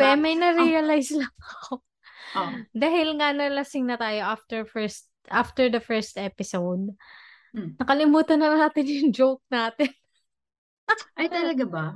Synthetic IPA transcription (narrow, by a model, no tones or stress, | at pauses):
pɛmɐjnɐɾiɐlajslɐŋkɐo | d̪aːhɪlŋɐnɐlɐsɪŋnɐt̪aːjo̞ʔaft̪ɛɹfɛɹst̪̚ʔaft̪ɛɹd̪ɐfɛɹst̪ʔɛːpɪsowd̪̚ | nɐkɐlɪmuːt̪ɐnɐnaːt̪ɪnjʊŋd͡ʒowk̚naːt̪ɪn | ʔɐjt̪ɐlɐɡaba